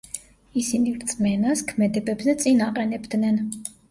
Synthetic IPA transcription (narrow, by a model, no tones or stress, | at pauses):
isinivɾt̪sʼmɛnaskʰmɛd̪ɛbɛbzɛt̪sʼinaqʼɛnɛbd̪nɛn